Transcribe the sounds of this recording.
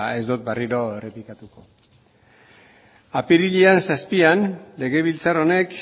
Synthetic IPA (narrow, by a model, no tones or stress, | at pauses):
e̞zd̪ot̪̚bariɾo̞e̞re̞plikat̪uko̞ | apiɾiʎiansaspianle̞ɣ̞e̞β̞ilt͡saɾo̞ne̞k